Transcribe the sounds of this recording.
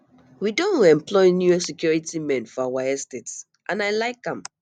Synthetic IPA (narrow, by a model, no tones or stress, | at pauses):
widõnɛ̃mpʰlɔɪnjuɛsɛkʰjɔɹitimɛ̃nfɔawaɛstets | ʔãnaɪlaɪkãm